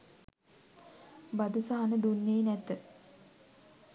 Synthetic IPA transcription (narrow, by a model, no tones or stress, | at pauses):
bad̪usaɦanəd̪unːeːnæt̪ə